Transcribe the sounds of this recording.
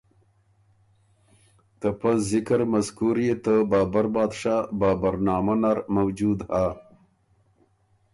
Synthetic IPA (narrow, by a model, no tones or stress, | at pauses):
t̪əpaszɪkɾmaskuɾjet̪əbɑːbaɾbɑːd̪ʂabɑːbaɾnɑːmanaɾmawd͡ʒud̪ha